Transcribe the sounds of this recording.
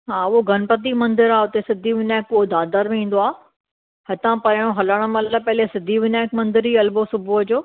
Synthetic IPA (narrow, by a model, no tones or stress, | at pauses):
ɦaːʊɦoɡʱɐnpət̪̬imɐ̃nd̪ɪɾaːʊt̪esɪd̪ʱiʋɪnaːkːod̪aːd̪əɾmẽĩːn̆d̪oaː | hɐt̪ãpɐɾj̃õɦɐləɽ̃ə̆mɐləpɐɦɪlesɪd̪ʱiʋɪnaːkmɐ̃nd̪ɪɾiɐlbosʊbʱuɦd͡ʑoː